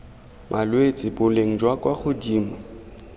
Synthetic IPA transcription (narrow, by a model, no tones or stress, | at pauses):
mʔalwet͡sʼɪbʊleŋ̩d͡ʒwakʼwaχʊdiːma